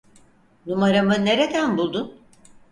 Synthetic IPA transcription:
numaɾamɯne̞ɾe̞d̪ænbulˠd̪un

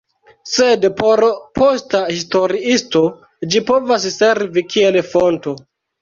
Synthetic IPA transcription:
sedpoɾpostahisto̞ɾiisto̞ | d͡ʒipo̞vas̬se̞ɾvikʰielfonto̞

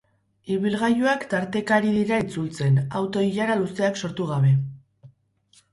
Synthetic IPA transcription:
iβilɣajuakt̪aɾt̪e̞kaɾiðiɾait͡sult͡se̞nawt̪o̞iʎaɾaluse̞akso̞ɾt̪uɣaβ̞e̞

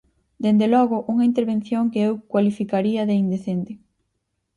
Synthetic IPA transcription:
d̪end̪elɔɣʊʔuŋɐint̪eɾβẽn̟θjoŋkeewkwalifikaɾiɐðeind̪eθent̪ɪ

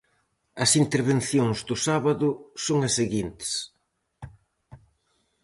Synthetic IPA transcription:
ɐsint̪eɾβenθjoŋzd̪ʊsaβɐðʊsoŋɐsːeɣint̪ɪ̥s

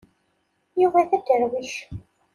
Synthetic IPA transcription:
juvæθæd̪əɾwiʃ

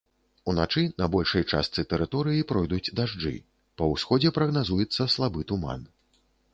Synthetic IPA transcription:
unat͡ʂɨnɐbɔlʲʂɐjt͡ʂa̰st̪sɨt̪ɛɾɨt̪ɔɾɨjipɾɔjd̪ud͡zʲd̪aʐd͡ʐɨ̰ | pɐwsxɔd͡zʲɛpɾɐɣnazujɛt̪sːɐslˠabɨt̪uma̰n

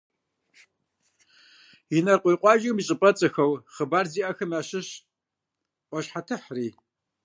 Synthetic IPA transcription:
inɐrqʷijqʷɑːʒɨmiɕʼɨpʼɐt͡sʼɐxɐwχəbaːrziːʔɐxɨmaːɕɪɕ | ʔʷɔɕħatʰɨħriː

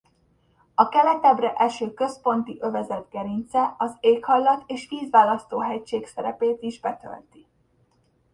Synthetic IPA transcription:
ɒkɛlɛt̪ɛbrɛʔɛʃøːkøspo̞nt̪iʔø̞vɛzɛd̪ɡɛɾint̪sɛɒzeːkhɒjlːɒt̪eːʃʋiːzʋaːlɒst̪oːɦɛct͡ʃeːksɛɾɛ̰peːt̪iʒbɛt̪ø̰lt̪i

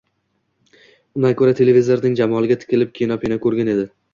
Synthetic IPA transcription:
ʊnakʰɵɾat̪ʰe̞levizoɾnɪŋd͡ʒamɒlˠɪɡʲat̪ʰɪ̥kʲɪlɪp̚kʲʰejɪnɒpʰenakʰɵɾɡʲane̞d̪ɪ

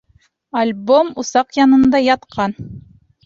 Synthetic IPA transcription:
alʲbomusɑqjɑnɤ̆nd̪ɑjɑt̪qʰɑn

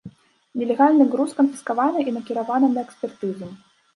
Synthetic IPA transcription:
nʲɛlʲɛɣalʲnɨɣɾuskɐmfʲi̥skavanɐʔinɐkʲiɾavanɐnɐɛksʲpʲɛrt̪ɨzɨm

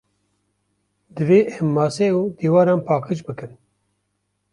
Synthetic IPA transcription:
d̪ɨveːʔɛmːaːseːuːd̪iːwaːɾaːnpʰaːkʰɨt͡ʃbɨkɨn

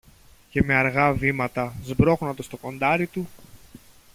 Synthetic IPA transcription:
ce̞me̞ɐɾɣɐvimɐt̪ɐzbɾo̞ɣunɐt̪d̪ost̪o̞ko̞nd̪ɐɾit̪u

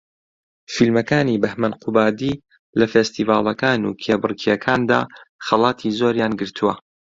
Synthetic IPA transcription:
filmɐkaːniːbɐhmɐnqʰubaːd̪iː | lɐfest̪iːvaːlˠɐkaːnṵːkʰeːbɨrkʰijɛkʰaːnd̪a̰ːxɐlˠɑːt̪ʰizoːɾjaːnɡɨɾt̪ʰuwɐ

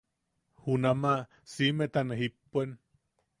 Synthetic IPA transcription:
hunama | simet̪aneɦipːuen

